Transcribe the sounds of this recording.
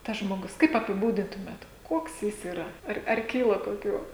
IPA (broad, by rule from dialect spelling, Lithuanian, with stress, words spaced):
tɐs ʒmoːˈɡʊs kɐɪp ɐpʲɪˈbuːdʲɪntʊmʲeːt ˈkuɔks ˈjɪs iːˈrɐ ˈɐr ɐr ˈkʲiːlˠɐ koːˈkʲuː